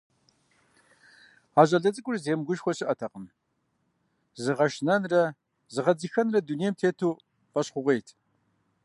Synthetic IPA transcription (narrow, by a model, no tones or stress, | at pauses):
aːʑɐɮɐt͡sʼɨkʷʼʊrzeːmɡʷʊʃxʷɔɕɪʔɐtʰɐqəm | zɨʁɐʃnɐnrɐ | zɨʁɐd͡zixɐnrɐdunejɛmtʰeːtʰuː | qɐɕχʷʊʁʷejtʰ